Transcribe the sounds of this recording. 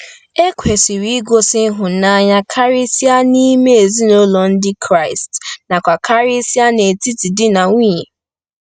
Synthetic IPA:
e˦kʷe˨si˨ɾi˨˦i˦ɡo˦sɪ˦ɦʊ˨˦na˦ɲa˦kʰa˦ɾi˦si˦a˦ni˦me˦e˨zi˦no˦lɔ˨n̩˦dɪ˦kʰɾa˦˨ɪ˨stna˨kʷa˨kʰa˦ɾi˦si˦a˦ne˨ti˦ti˨dɪ˦na˨ŋʷ˦iː˦ɲe˨

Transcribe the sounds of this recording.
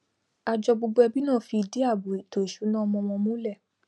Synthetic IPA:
a˧d͡ʒɔ˧ɡ͡bo˧ɡ͡bɛ˧bi˦nãː˦˨fi˧i˧di˨˦a˦˨bo˨i˨to˨i˨ʃu˨˦nãː˦˧mɔ̃˧m̃ɔ̃˧mũ˦lɛ˦˨

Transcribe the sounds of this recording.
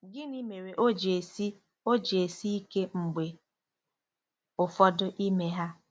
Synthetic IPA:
ɡɪ˦ni˦me˨ɾe˨ʔo˦d͡ʒe˨si˦ | o˦d͡ʒe˨si˦i˦ke˦ŋ͡m̩˨ɡ͡be˨ | ʊ˨fɔ˦dʊ˦ʔi˦me˦ɦa˦

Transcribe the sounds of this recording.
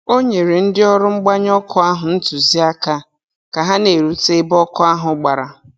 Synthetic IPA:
o˦ɲe˨ɾe˨n̩˦dɪ˦ɔ˦ɾʊ˦ŋ͡m̩˦ɡ͡ba˦ɲ˦ɔ˦kʰʊ˦a˦ɦʊ˨n̩˦tu˨zi˦a˦ka˦ | ka˨ɦa˦ne˨ɾu˦te˦bɔ˦kʊ˦a˦ɦʊ˨ɡ͡ba˨ɾa˨

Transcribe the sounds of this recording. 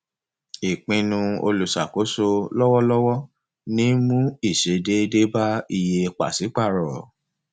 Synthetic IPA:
i˨k͡pĩ˧nũ˧o̰˧lu˨sa˨ko˨˦so˧lɔ˦wɔ˦lɔ˦wɔ˦ | nĩ˦mũ˦i˦˨ʃe˨˦de˦de˦ba˦i˧je˧k͡pa̰˦˨si˨˦k͡pa˦˨ɾɔ˨

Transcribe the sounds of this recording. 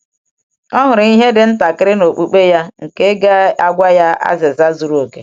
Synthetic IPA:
ɔ˦ɦʊ˨ɾi˦ɦe˦dɪ˨n̩˦ta˨kɪ˦ɾɪ˦no˨k͡pu˨k͡pe˦ja˦ŋ̩˨ke˦ɡa˦a˦ɡʷa˦ja˦a̰˦zɪ˨za˦zu˨ɾu˦o˨ke˨

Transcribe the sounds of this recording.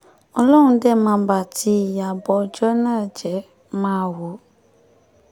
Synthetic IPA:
ɔ˨lɔ˦ŋũ˨dɛ˦˨mã˧˨ba˨ti˦ja˨bɔ˨˦d͡ʒɔ˦nə˦˨d͡ʒɛ˨˦ | mã˦˨wo˨˦

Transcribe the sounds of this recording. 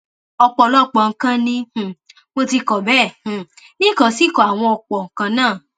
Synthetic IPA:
ɔ˧k͡pɔ˨lɔ˦˨k͡pɔ˨ŋ̩˦˧kã˦nĩ˧˨ | mo˧ti˧kɔ˨bɛ̃˦˨ | nĩ˦˨kɔ˨si˦˨kɔ˨a˨w̃ɔ̃˧ɔ˧k͡pɔ˨ŋ̩˨kã˧nãː˦˨

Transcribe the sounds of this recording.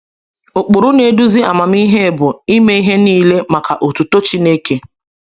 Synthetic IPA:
o˨k͡po˨ɾʊ˦ne˨du˦zi˦a̰˨ma˨m˦i˦ɦe˦˨bʊ˨i˦me˦i˦ɦe˦niː˦le˦ma˨ka˨ʔo˨tu˨to˦t͡ʃi˦ne˦ke˦

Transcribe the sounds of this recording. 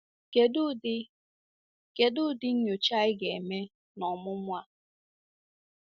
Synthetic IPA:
ke˨du˦ɪ˦ | ke˨dʊ˦dɪ˦ɲ̩˦ɲo˨t͡ʃa˦ɪ˦ɡe˨me˦ | nɔ˨mʊ˦mʷ˦a˦

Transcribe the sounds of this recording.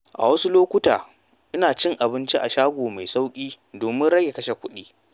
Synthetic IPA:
ʔa̰˨wɐ˦su˦loː˦kʷʊ˦ta̰ː˨ | ʔɪ˦naː˨t͡ʃɪ˦ŋʔa˨bɪ˦nt͡ʃi˦ʔa˨ʃaː˦ɡʷoː˨ma˨jsa˦wkʲʼiː˦ | doː˨mɪ˦nɽɐ˦ɡʲe˨kɐ˦ʃe˨kʷʊ˦ɗiː˦

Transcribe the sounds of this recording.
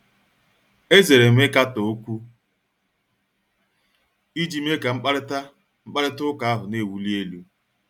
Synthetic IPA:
e˦ze˨ɾe˨m̩˦e˦ka˦to˨˦kʷu˦ | i˦d͡ʒi˦m̩˦e˦ka˨ŋ͡m̩˦k͡pa˦ɾɪ˦ta˦ | mŋ͡m̩˦k͡pa˦ɾɪ˦tʊ˦ka˨a˦ɦʊ˨ne˦˨wu˦li˦e˦lu˦

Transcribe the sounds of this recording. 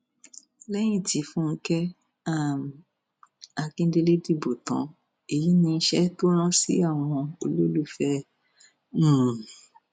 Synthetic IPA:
lɛ˦j̃ĩ˦˨ti˨˦fũ˦n̩˦kɛ˦ | a˦˨m˨ | a˧kĩ˦de˧le˦di˦˨bo˨tã̰˨˦ | e˨ji˨˦nĩ˧n̩˦ʃɛ˦to˦ɾ̃ã˦sḭ˨˦a˦˨w̃ɔ̃˧o˧lo˦lu˦˨fɛ˦ | nũ˦˨

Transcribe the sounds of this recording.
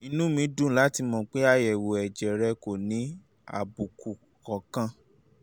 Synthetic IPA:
i˧nũ˦mĩ˧˦dũ˦˨˦la˦ti˧˦mɔ̃˧k͡pe˦a˦jɛ˨wo˨ɛ˨d͡ʒɛ˨ɾɛ˧ko˨nĩ˨˦ | a̰˨bu˨ku˨ | kɔ˨kã˧

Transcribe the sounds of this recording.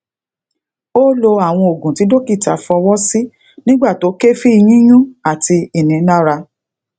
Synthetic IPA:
o˦lo˧a˨w̃ɔ̃˧o˨ɡũ˨ti˨˦do˦ki˦˨ta˨fɔ˧wɔ˦si˦ | nĩ˦ɡ͡ba˦˨to˨˦ke˦fi˦i˧j̃ĩ˦jũ˦a˦˨ti˧i˨nĩ˨˦na˦˨ɾa˧

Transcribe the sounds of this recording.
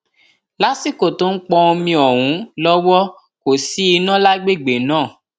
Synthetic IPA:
la˨˦si˦˨ko˨to˦n̩˦k͡pɔ˧o˧mĩ˧ɔ˨wũ˨˦lɔ˦wɔ˦ | ko˨si˨˦i˧nã˦˨la˦ɡ͡be˦˨ɡ͡be˨nãː˦˨

